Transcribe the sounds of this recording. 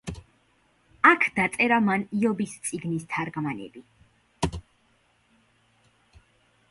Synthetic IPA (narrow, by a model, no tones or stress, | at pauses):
akʰd̪̥at̪sʼɛɾamaniɔbist̪sʼiɡnist̪ʰaɾɡmanɛ̰bi